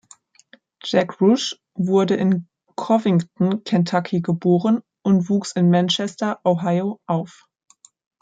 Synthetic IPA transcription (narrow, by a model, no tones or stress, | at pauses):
d͡ʒ̥ɛkʁʊʃ | vʊɐdəʔɪn | kʰɔvɪŋtn̩kʰɛntʰakʰiɡəboːʁən | ʔʊntv̥uːksɪnmɛnʃɛstɐʔoɦaɪoʔaʊf